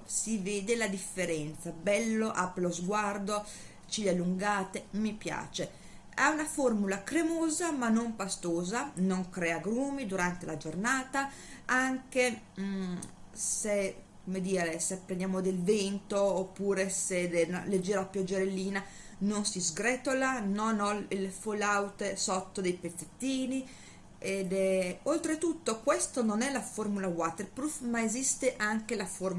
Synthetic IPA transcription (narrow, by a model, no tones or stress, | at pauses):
siveːd̪elad̪ifːeɾɛnt̪sabɛlːoʔapɾelozɡward̪o | t͡ʃilalːuŋɡaːt̪emipja̰ːt͡ʃe | aunaformulakɾemoːzamanːompast̪oːzanoŋkɾɛːaɡɾuːmid̪uɾant̪elad͡ʒornaːt̪a | aŋke | se | komed̪iːɾesepːɾenjaːmod̪elvɛnt̪oːpːuːɾesed̪eled͡ʒːɛːɾaapjɔd͡ʒːeɾelːiːna | nonsizɡɾɛt̪olanɔnɔilfolawt̪esɔt̪ːod̪ejpet̪sːet̪ːiːni | ed̪ɛolt̪ɾet̪ut̪ːokwɛst̪ononɛlaformulawat̪erpɾufmaezist̪eʔaŋkelafor